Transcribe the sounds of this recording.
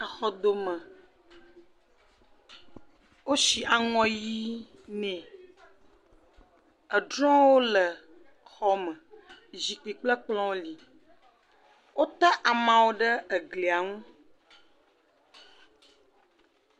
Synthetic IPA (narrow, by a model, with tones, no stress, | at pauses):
ə˨xɔ˦d̪o˦mə̃˨ | wo˦ʃi˨ʔa˨ŋɔ̃˦ji˦ | nɛ̃˨ | ə˨ɖɾɔ̃˦wo˦lə˨ | xɔ˦mə̃˨zi˨k͡pi˨k͡plə˦k͡plɔ̃˦wo˦li˨ | wo˦t̪a˦ʔa˨mã˨wo˦ɖə˦ə˨ɡli˨a˨ŋũ˦